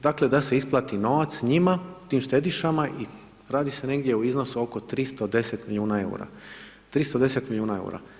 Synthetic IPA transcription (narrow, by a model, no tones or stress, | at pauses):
d̪akled̪ase̞isplˠat̪ino̞ʋat̪sɲimaut̪iːmʃt̪e̞d̪iʃamaʔi | ɾaːd̪ise̞ne̞ɡd̪je̞uizno̞suo̞ko̞t̪ɾist̪od̪e̞set̪milʎʲjuːnae̞ṵɾa̰ | t̪ɾist̪od̪e̞se̞t̪milʎʲjuːnae̞̰ṵɾa̰